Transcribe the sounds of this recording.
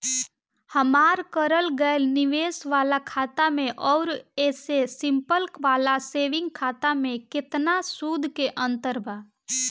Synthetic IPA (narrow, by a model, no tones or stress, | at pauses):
həmaːɾkəɾəlɡəelnɪʋeːsʋaːlakʰaːt̪amẽʔɔːɾɛːsesɪ̃mpəlkʋaːlaseːʋɪ̃ŋɡ̚kʰaːt̪amẽkɪt̪nasuːd̪ʱkeʔə̃nt̪əɾbʱaː